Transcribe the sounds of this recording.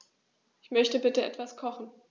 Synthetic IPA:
ʔɪçmœçtəbɪtəʔɛtv̥askʰɔχn̩

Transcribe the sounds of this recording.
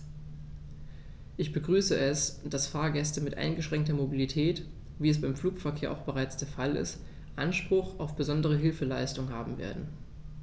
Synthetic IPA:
ʔɪçb̥əɡʁyːsəʔɛsd̥asfaːɐɡɛstəmɪtʔa̰ɪnɡəʃʁ̥ɛŋktɐmobilitʰɛːt | viːɛs̬b̥aɪmfl̥uːkfɛɐkʰeːɐʔa̰ʊxb̥əʁaɪt͡sd̥eːɐfalɪ̰st | ʔanʃpʁ̥ʊxaʊfb̥əzɔndəʁ̞əɦɪlfəlaɪstʊŋɦaːbm̩vḛːɐdn̩

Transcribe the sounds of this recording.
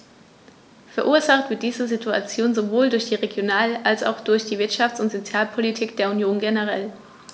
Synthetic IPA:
fɛɐʔuːɐzaχtv̥ɪɐt̚d̥iːzəzitʰua̰t͡sjoːnzovoːldʊɐçd̥iːʁeɡjonaːlʔalsa̰ʊxd̥ʊɐçd̥iːvɪɐtʃaft͡sʊntz̥ot͡sjaːlpʰolitʰiːkd̥eːɐunjoːnɡenəʁ̞ɛl

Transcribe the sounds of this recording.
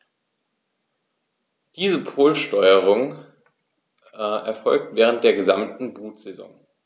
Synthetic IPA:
d̥iːzəpʰoːlʃtɔʏəʁ̞ʊŋ | ɛɐfɔlk̚tvɛːʁ̞ənt̚d̥eːɐɡəzamtn̩buːtz̥ezɔ̰ŋ

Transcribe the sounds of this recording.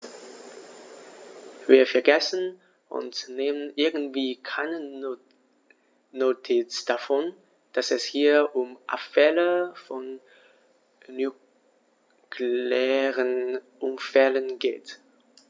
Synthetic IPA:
viːɐfɛɐɡɛsn̩ | ʔʊ̰nsneːmənʔɪɐɡn̩tv̥iːkʰaɪnə | notʰit͡sd̥afɔn | d̥asɛshiːɐʔʊmʔa̰pfɛləfɔn | y | kʰleːʁənʔʊmfɛlənɡḛːt

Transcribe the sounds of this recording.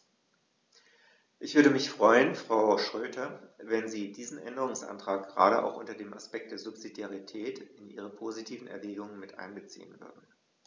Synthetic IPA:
ʔɪçv̥ʏɐɾəmɪçfʁ̥ɔʏənfʁ̥aʊʃʁ̥øːtʰɐvɛnziːdiːzn̩ʔɛ̰ndəʁ̞ʊŋsʔa̰ntʁ̥aːk̚ɡ̥əʁa̰ːɾəʔa̰ʊxʔʊntɐdeːma̰spɛk̚t̚d̥eːɐzʊpsidjaʁitʰɛːtɪnʔiːʁ̞əpʰoːzitʰiːvn̩ʔɛɐvɛːɡʊŋənmɪtʔa̰ɪnbət͡sḭːənvʏ̰ɐdn̩

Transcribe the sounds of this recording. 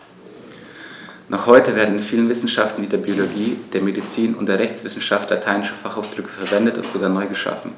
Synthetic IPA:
nʔɔχhɔʏtəveːɐdn̩ɪnfiːlənvɪsn̩ʃaftn̩viːdeːɐbioloɡiːd̥eːɐmedit͡siːnʊ̰nt̚d̥eːɐʁɛçt͡sv̥ɪsn̩ʃaftlatʰaɪnɪʃəfaχaʊsd̥ʁʏkə̥fɛɐvɛndətʊ̰ntz̥oɡaːɐnɔʏɡəʃa̰fn̩

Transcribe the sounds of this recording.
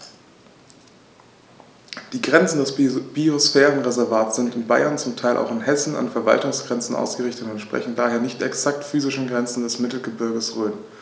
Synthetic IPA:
d̥iːɡʁɛnt͡sn̩dɛsb̥iosfɛːʁənʁezɛɐvaːɐtz̥ɪntʊntb̥a̰ɪɐnt͡sʊmtʰaɪlʔa̰ʊxɪnhɛsn̩a̰nfɛɐva̰ltʊŋsɡ̥ʁɛnt͡sn̩ʔa̰ʊsɡ̥əʁɪçtətʊntʃpʁ̥ɛ̰çn̩daːɦeːɐnɪçtɛksak̚tfyːzɪʃn̩ɡʁɛnt͡sn̩dɛsmɪtl̩ɡəbɪɐɡəsʁøːn

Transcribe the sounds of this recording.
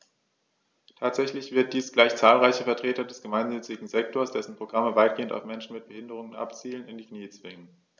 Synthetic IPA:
tʰaːtz̥ɛçlɪçv̥ɪɐt̚d̥iːsɡ̥laɪçt͡saːlʁaɪçəfɛɐtʁ̥eːtɐdɛsɡ̥əmaɪnnʏt͡sɪɡŋ̩zɛk̚tʰoːɐsd̥ɛsn̩pʁ̥oɡʁaməvaɪt̚ɡ̥eːənta̰ʊfmɛnʃn̩mɪt̚b̥əhɪndəʁ̞ʊŋənʔa̰pt͡siːlənɪndiːkniːət͡sv̥ɪŋən

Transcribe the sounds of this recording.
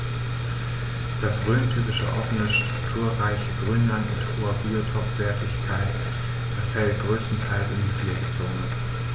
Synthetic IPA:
d̥asʁøːntʰyːpɪʃə̰ʔɔfənəʃtʁ̥ʊktʰuːɐʁaɪçəɡ̥ʁyːnlanʊ̰nthoːɐbiotʰɔpv̥ɛɐtɪçkʰaɪt | fɛɐfɛlt̚ɡ̥ʁøːstn̩tʰaɪlsɪndiːfleːɡət͡soːnə

